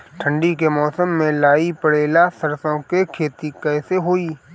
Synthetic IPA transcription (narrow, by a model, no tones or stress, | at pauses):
ʈʰə̃ɳɖikemɔːsəmːẽlaːipəɽeːlasɐɾsõkekʰeːt̪ikɛːseɦoːiː